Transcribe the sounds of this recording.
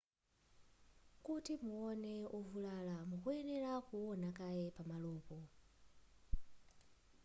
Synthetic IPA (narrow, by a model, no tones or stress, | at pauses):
kutimuɔnɛɔvulalamukuɛnɛɾakuɔnakajɛpamalɔːpɔ